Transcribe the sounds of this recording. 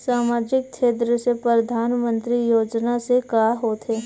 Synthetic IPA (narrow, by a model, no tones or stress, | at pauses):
saːmaːd͡ʒɪk̚t͡ʃʰeːt̪ɾəsepɾəɾəd̪ʱaːnmə̃nt̪ɾijoːd͡ʒnasekaːɦoːt̪ɦeː